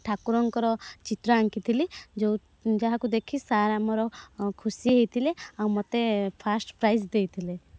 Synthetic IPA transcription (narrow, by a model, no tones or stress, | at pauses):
ʈʰakuɾɔŋkɔɾɔt͡ʃit̪ɾɔaŋkit̪ʰilid͡ʒew | d͡ʒaɦãkud̪ekʰisaɾamɔɾɔkʰusiɦejt̪ʰileawmɔt̪epʰasʈpɾajsd̪ejt̪ʰile